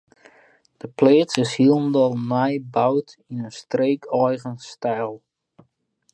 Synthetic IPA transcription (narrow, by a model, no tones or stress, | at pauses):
d̥əpleːtsɪshiəlˠndɔlˠnajbawtinənstreːkʰɔjɣənstɛjlˠ